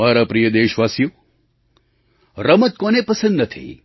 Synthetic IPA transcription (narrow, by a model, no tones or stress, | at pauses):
aːɾapɾijəd̪eːʃʋaːsjoː | ɾɐmɐt̪̚koːnepɐsənd̪ɐt̪ʰḭi